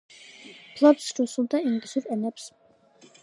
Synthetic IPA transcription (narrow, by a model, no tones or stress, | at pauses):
pʰlˠɔbsɾusulˠd̪aimɡʼisuɾɛnɛps